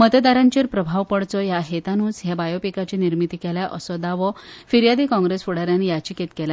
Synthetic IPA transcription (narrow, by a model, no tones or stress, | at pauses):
mət̪əd̪aɾãɲt͡ɕiːɾpɾəbʱaʋpəɽt͡sɔjaɦet̪anuːd͡zɦjabajopikat͡ɕiniɾmit̪ikɛljaʔəsɔd̪aʋɔfiɾjad̪ikɔ̃ŋɡɾesfuɽ̤aɾjanijat͡ɕiket̪kɛla